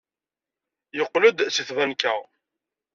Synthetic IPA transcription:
jəqːləd̪siθvænkæ

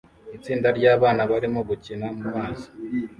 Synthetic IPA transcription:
it͡siːndaɾɟaːβaːnaβaɾimoɡucinamumaːzi̥

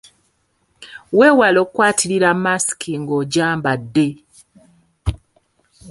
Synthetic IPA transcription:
we̞ːwalo̞ːkwaːtʰiɾiɾamasi̥kiŋɡoɟaːmbadːe̞

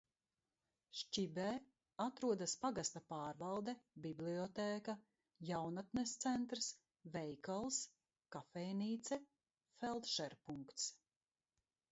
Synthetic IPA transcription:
ʃt͡ʃibɛː | at̪ɾuɔd̪aspaɡast̪apaːɾvalˠd̪ɛbibliɔt̪eːka | jawnat̪nɛst̪sɛnt̪ɾs | vɛjkalˠs | kafɛjniːt̪sɛ | fɛlˠd̪ʃɛɾpuŋkt̪s

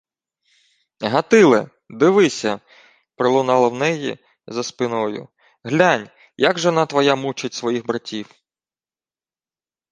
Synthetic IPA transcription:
ɦɐt̪ɪlˠɪ | d̪ɪʋɪsʲɐ | pɾɪlˠʊnɑlˠɐwnɛjḭ | zɐspɪnɔjʊ̰ | ɦlʲanʲ | jaɡʒɔnɑt̪ʋɔjamut͡ʃɪtʲsʋɔjixbɾɐtʲiw

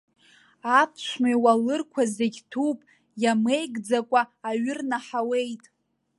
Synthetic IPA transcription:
apʰʃʷʰmajwalɨrkʷʰazeɡʲtʰupʼ | jame̞jɡd͡zakʷʼaːɥɪrnaħawe̞jtʼ

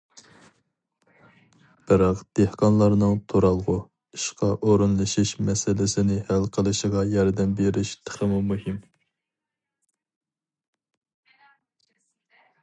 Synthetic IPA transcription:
b̥ɨɾɑqd̪̥ehqɑnlˠɑɾnɨŋt̪ʰoɾɑlˠʁʊ | iʃqɑʔoɾɨnlˠɨʃiʃmɛsɪlɪsɪnɪhælqʰəlˠɨʃəʁɑjɑɾd̪ɛmbeɾɪʃt̪ʰə̥χəmumuhɪm

